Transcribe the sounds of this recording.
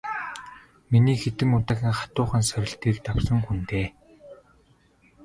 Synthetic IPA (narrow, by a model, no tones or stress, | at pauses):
miniːxet̪ɘ̆mʊt̪aːxʲĭːŋχḁt̪ʊːχə̆nsœɾʲɪ̆ɬt̪iːkt̪awsə̆ŋxunt̪eː